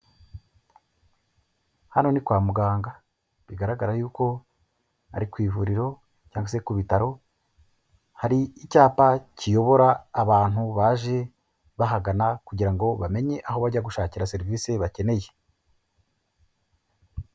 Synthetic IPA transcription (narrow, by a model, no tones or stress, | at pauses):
hano̞nikwaːmuɡaːŋɡa | βiɡaɾaɡaɾajuːko̞ | a̰ɾikwiːvuɾiɾo̞ | caːŋɡwase̞kuβitaɾo̞ | haɾiːcaːpacijo̞βo̞ɾaːβaːn̥huβaːʒe̞ | βaɦaɡanakuɟiɾaŋɡo̞βame̞ɲe̞ʔaho̞βaɟaɡuʃaːciɾase̞ɾiviːse̞βace̞ne̞je̞